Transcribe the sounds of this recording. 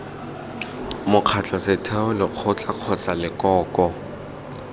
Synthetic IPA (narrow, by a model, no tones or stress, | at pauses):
mʊq͡χʰat͡ɬʼɔsɪtʰɛʊlɪq͡χʰʊt͡ɬʼaq͡χʰɔt͡sʼalɪkʼɔːkʼɔ